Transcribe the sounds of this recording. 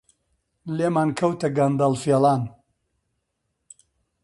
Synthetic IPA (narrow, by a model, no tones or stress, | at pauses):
leːmaːnkʰɐwt̪ɐɡɐnd̪ɐlˠfeːlˠaːn